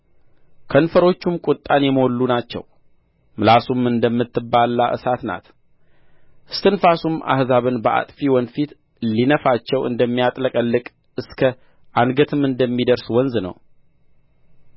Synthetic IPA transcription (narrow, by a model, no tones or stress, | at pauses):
kʰənfəɾo̞t͡ʃːumkʼʊt̪ʼːanjɛməwɔlːunat͡ʃːɛ̰w | mɨlasumɨnd̪əmːɨt̪ːɨbːalːaʔɨ̰sat̪na̰t̪ | ʔɨst̪ʰɨnfasumʔa̰hzaβɨnbəʔa̰t̪ʼfiwɔnfit̪ | linəfat͡ʃːɛwɨ̰nd̪əmːijat̪ʼləkʼəlːɨkʼ | ɨskʰə | ʔanɡət̪ʰɨmɨnd̪əmːid̪əɾswɔnznə̰w